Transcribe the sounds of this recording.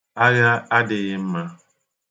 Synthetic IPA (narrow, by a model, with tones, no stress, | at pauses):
a˦ja˦a˦dɪ˨ɣɪ˦m̩˦ma˦